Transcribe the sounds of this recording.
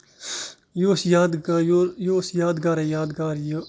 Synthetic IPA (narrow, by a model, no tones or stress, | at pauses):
joːsjaːd̪ɡjoːsjaːd̪ɡaːɾejaːd̪ɡaːɾj